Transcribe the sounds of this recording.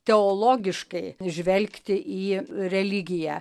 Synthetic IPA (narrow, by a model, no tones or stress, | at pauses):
t̪ʲɛoːlˠoːɡʲɪʃkɐɪʒʲʋʲɛlʲkt̪ʲɪʔiːrʲɛlʲɪɡʲɪjæː